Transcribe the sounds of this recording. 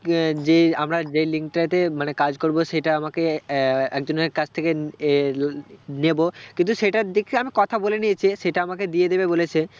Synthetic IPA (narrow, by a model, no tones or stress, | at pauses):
d͡ʑeamɾad͡ʑeliŋk̚ʈat̪emanekad͡ʑkoɾboʃeʈaamakeɛkd͡ʑoneɾkat͡ɕʰt̪ʰeke | nebokint̪uʃeʈad̪ekʰeamikɔt̪ʰaboleniet͡ɕʰiʃeʈaamaked̪ied̪ebebolet͡ɕʰe